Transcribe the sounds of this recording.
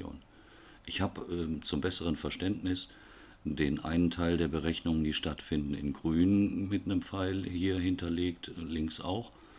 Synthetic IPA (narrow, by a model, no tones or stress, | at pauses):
o̰ːn | ʔɪçhaːbəɛt͡sʊmbɛsəʁ̞ənfɛɐʃtɛntnɪs | d̥eːnʔa̰ɪnəntʰaɪldeːɐbəʁɛçnʊŋənd̥iːʃtatfɪndn̩ɪ̰nɡʁyːnənmɪtnəmfaɪlhiːɐɦɪntɐleːktlɪŋksa̰ʊx